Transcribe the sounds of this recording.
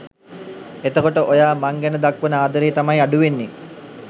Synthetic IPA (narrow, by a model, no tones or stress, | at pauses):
et̪əkoʈəʔojaːmaŋɡænəd̪akʋənəaːd̪əɾeːt̪amajaɖuʋenːe